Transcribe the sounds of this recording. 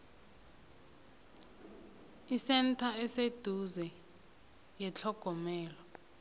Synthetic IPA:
isɛntʰaɛsed̥ʱuzɛ | jɛt͡ɬʰɔɡ̥ʱɔmɛːlɔ

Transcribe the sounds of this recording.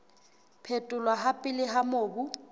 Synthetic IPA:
pʰetʼʊlwaɦapʼɪlɪɦamoːbu

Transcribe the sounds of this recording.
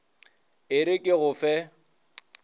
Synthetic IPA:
ɪɾɪkʼɪɣʊfɛ

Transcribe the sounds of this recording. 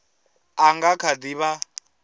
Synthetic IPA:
aŋɡakʰad̪iβa

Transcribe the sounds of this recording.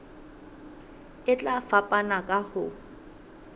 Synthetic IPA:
ɪt͡ɬʼafapʼanakʼahʊ

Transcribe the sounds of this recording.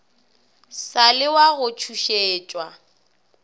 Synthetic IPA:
salɪwaɣʊt͡ʃʰuʃeːt͡ʃʼwa

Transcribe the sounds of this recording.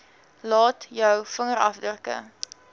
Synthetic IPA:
lɑːtjœwfəŋəɾɐ̰fdəkə̰

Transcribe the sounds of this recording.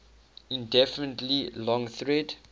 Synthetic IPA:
ĩndɛfənətlilɔ̃ŋθɹɛd

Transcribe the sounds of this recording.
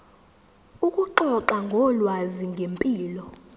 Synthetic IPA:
ukʼuǃɔǁaŋɡʱɔlwaziŋɡʱempʼiːlɔ

